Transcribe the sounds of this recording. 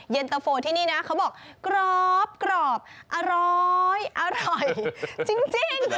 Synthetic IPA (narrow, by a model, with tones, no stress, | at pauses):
je˧nt̪a˧foː˧t̪ʰiː˥˩niː˥˩na˦˥ʔkʰa˦˥wbɔː˨˩k̚ | kɾɔː˨˩p̚kɾɔː˨˩p̚ | ʔa˧ɾɔ˧jʔa˧ɾɔ˨˩jt͡ɕi˧ŋt͡ɕi˧˩ŋ